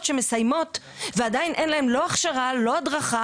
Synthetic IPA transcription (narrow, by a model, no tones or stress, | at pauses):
tʃe̞mesajmo̞t̪ | veadajinʔenlaemlo̞aχʃaʁalo̞adʁaχa